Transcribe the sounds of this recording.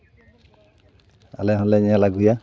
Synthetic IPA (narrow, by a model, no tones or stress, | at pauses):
a̰lɛɦɔnlɛɲjalaɡuja